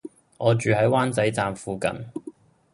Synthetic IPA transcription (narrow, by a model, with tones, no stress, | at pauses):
ŋɔː˨˧t͡ʃyː˨ɦɐ˨˥jwaː˥nt͡sɐ˨˥jt͡saː˨˧mfuː˨˧kɐ̰˨n